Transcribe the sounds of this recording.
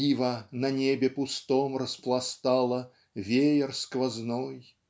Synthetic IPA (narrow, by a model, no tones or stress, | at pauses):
ivənɐnʲebʲɪpʊst̪ɔmrəsplˠast̪alˠə | vʲejɪrskvaznɔj